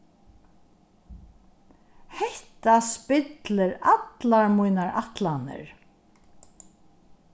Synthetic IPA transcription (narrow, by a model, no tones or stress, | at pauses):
hɛht̪aspɪt̪lɪɾat̪laɹmujnaɹʔaht̪lanɪ̰ɹ